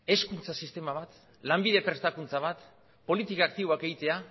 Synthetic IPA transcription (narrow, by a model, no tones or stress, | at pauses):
e̞skunt͡sasist̪e̞maβ̞at̪ | lambiðe̞pɾe̞st̪akunt͡saβ̞at̪ | po̞lit̪ikaːkt̪iβoake̞ɣit̪e̞a